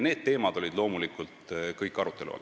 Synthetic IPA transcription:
ne̞ːd̪̚t̪e̞ːmɑd̪̥o̞lʲid̪lo̞ːmulikˑult̪kɤjkːˑɑɾut̪ːˑe̞lṵɑ̰l

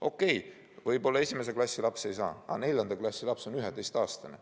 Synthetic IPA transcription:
o̞kːe̞j | vɤjbo̞lːɑe̞sʲimes̬e̞klɑsʲːilɑpse̞jsɑ̰ːɑ̰ne̞lʲjɑnd̪ɑklɑsʲːilɑpso̞nyɦed̪e̞jst̪ɑːst̪ɑne

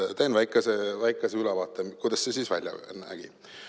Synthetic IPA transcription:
t̪ejnvæjkːˑesevæjkːˑeseylɛvɑːt̪ːˑekujd̪̥ɑsːesiːsvæ̰lʲjɑ̰næ̰ɡ̥ḭ

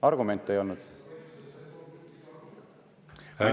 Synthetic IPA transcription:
ɑɾɡ̥ume̞nt̪ːˑe̞jo̞lnud̪̥

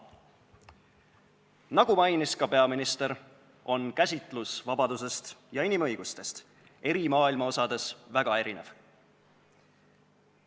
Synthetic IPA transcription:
nɑɡ̥umɑjniskɑpe̞ɑminist̪e̞ɾ | o̞nkæsʲit̪ˑlusvɑbɑd̪us̬e̞st̪jɑinimɤjɡ̥ust̪e̞st̪ | e̞ɾimɑːilmɑo̞sɑd̪̥e̞svæɡ̥ɑe̞ɾine̞v

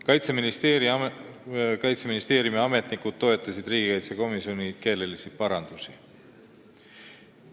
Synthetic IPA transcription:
kɑjt̪seminie | kɑjt̪seminist̪eːɾjumiɑme̞t̪nikud̪̥t̪ːo̞e̞t̪ːˑɑsid̪riːɡ̥ikɑjt̪seko̞misio̞nike̞ːle̞lisi̥pɑɾɑnd̪̥usi

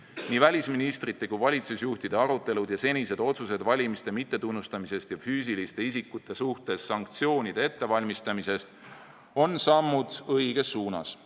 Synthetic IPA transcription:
niːvælʲisminist̪rit̪ːe̞kujvɑlʲit̪susjuht̪id̪̥e̞ɑɾut̪ːˑe̞lud̪̥jɑse̞nʲise̞d̪̥o̞t̪suse̞d̪vɑlʲimist̪e̞mit̪ːe̞t̪unːust̪ɑmise̞st̪jɑfyːs̬ilist̪e̞isikːut̪ːˑe̞suht̪e̞sːɑŋk̚t̪sio̞ːnʲid̪̥e̞et̪ːe̞vɑlʲmist̪ɑmise̞st̪ | o̞nsɑmːud̪̥ɤiɡ̥e̞sːuːnɑ̰s

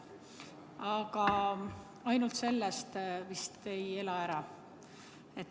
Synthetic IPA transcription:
ɑɡ̥ɑ | ɑjnult̪se̞lːest̪vist̪e̞je̞lɑæɾɑ | et̪ː

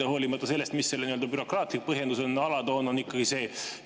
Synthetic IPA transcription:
eho̞ːlimɑt̪ːˑɑse̞lːest̪misːelniø̞ld̪ɑbyɾo̞krɑːt̪lik̚pɤɦje̞nd̪uso̞nɑlɑd̪o̞ːno̞nikːˑɑɡ̥ise̞ː

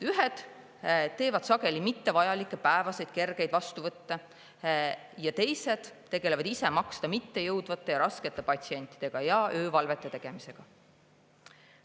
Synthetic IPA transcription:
yɦed̪̥ | t̪ːe̞ːvɑd̪̥sɑɡe̞limit̪ːe̞vɑjɑlikːˑe̞pæevɑse̞jd̪̥ke̞rɡ̥e̞jd̪̥vɑst̪uvɤt̪ːe | jɑt̪e̞jse̞d̪̥ːe̞ɡ̥e̞le̞vɑd̪ise̞mɑkst̪ɑmit̪ːe̞jɤwd̪vɑt̪ːˑe̞jɑɾɑske̞t̪ːˑe̞pɑt̪ʲsie̞nʲt̪ːˑi̥d̥̪e̞ɡ̥ɑjɑøːvɑlve̞t̪ːˑe̞t̪e̞ɡ̥e̞mise̞ɡ̥ɑ

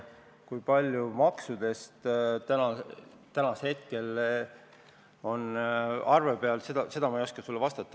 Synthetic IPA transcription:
kujpɑlʲjumɑksud̪̥e̞st̪t̪ænɑ | t̪ænɑshe̞t̪̚ke̞l | o̞nɑrvebe̞ɑlsed̪ɑse̞d̪ɑmɑejo̞skɑsulːevɑst̪ɑt̪ːˑɑ

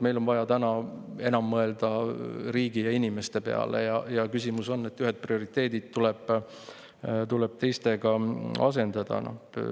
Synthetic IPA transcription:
me̞jlo̞nvɑjɑt̪ænɑe̞nɑmːɤe̞ld̪̥ɑɾiːɡ̥ijɑinime̞st̪e̞pe̞̰ɑ̰lḛjɑjɑkysʲimuso̞nːe̞t̪ːyɦed̪̚prio̞ɾit̪ːˑe̞ːd̪̥id̪̥̚t̪uleb̥ | t̪uleb̥̚t̪e̞jst̪e̞ɡ̥ɑɑ̰s̬e̞nd̪̥ɑd̪̥ɑ̰no̰

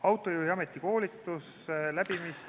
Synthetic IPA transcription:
ɑwt̪ˑːo̞juːhiɑme̞t̪ˑːiko̞ːlit̪ːˑus | læb̥imis

